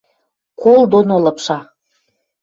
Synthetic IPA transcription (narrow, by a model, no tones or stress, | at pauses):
kolˠd̪onolɤ̆pʃɑ